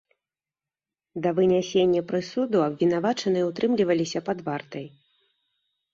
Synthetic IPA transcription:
d̪ɐvɨnʲasʲenʲːɐpɾɨsud̪uɐbvʲin̪avat͡ʂɐnɨjɛut̪ɾɨmlʲivɐlʲisʲɐpad̪vart̪ɐj

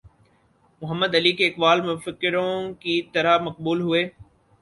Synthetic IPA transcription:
mʊɦəmːəd̪ɐliːkeːɪkʋaːlmẽfɪkɪɾõkiːt̪ɐɾəmɐqbuːlɦʊeː

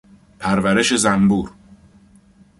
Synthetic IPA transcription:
pʰæɾvæɾe̞ʃe̞zæmbuːɾ

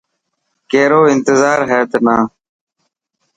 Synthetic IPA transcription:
keːɾoːɪnt̪ɪzaːɾɦɛːt̪naː

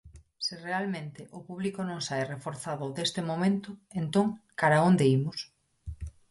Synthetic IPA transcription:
sirealmẽnt̪ɪʔʊpuβlikonõŋsajrefoɾθaðʊðest̪ɪmomẽnt̪ʊent̪oŋkaɾaond̪eimʊs

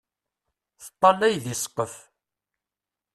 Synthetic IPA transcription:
θə̥t̪ˤːɑnæjðisqːəf

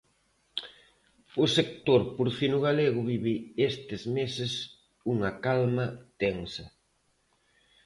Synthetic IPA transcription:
ʊsek̚t̪oɾpuɾθinʊɣaleɣ̞ʊβiβɪest̪ɪzmesɪs | uŋɐkalmɐt̪eŋsɐ

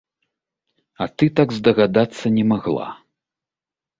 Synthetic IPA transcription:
ɐt̪ɨt̪aɡzd̪ɐɣad̪at̪sːɐnʲɛmaɣlˠa̰

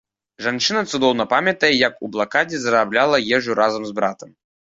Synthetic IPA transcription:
ʐant͡ʂɨnɐt̪sud̪ɔwnɐpamʲɐt̪ɐjɛjɐkublˠakad͡zʲɛzɐɾablʲalˠɐjɛʐuɾʔazɐmzbɾat̪ɐm

